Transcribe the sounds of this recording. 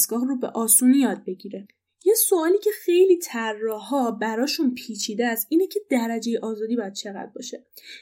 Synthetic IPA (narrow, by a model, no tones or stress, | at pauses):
sɡɒːɣrobe̞̰ʔɒːsuːnijɒːd̪̚be̞ɟiːɾe̞ | jesoɒːliːcʰe̞xe̞jliːt̪ʰærːɒːɦɒbæɾɒːʃunpʰiːt͡ʃʰiːd̪eæsʔiːne̞cʰe̞d̪̥æɾæd͡ʒe̞jeʔɒːzɒːd̪iːbɒjæd̪̚t͡ʃʰe̞ɣæ̰d̪̥̚bɒ̰ːʃe̞